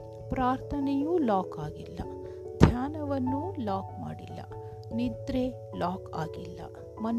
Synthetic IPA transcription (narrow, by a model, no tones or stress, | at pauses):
pɾaːɾt̪ʰɐnejuːlaːkaːɡilːɐ̰ | d̪ʱjaːnɐʋɐnːulaːkma̰ːɽḭlːɐ̰ | nid̪ɾe | laːkaːɡilːɐ̰ | mɐn